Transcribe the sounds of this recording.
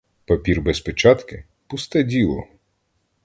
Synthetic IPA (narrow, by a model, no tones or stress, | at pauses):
pɐpʲirbɛspɔt͡ʃɑt̪kɪ | pust̪ɛdʲilˠɔ̰